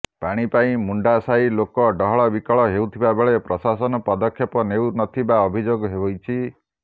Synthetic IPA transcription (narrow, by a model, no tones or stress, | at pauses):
paɽ̃ipaĩmuɳɖasailokɔɖɔɦɔɭɔbikɔɭɔɦewt̪ʰibabeɭepɾɔsasɔnɔpɔd̪ɔkʰːjɔpɔnewnɔt̪ʰibaɔbʱid͡ʒoɡɔɦebɔjt͡ʃʰi